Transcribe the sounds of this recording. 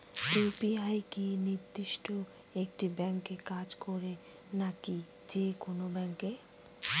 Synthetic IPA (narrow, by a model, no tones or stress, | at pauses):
epiajkiniɾd̪iʃʈo | ek̚ʈibɛŋkekad͡ʑkoɾe | naki | d͡ʑekonobɛŋke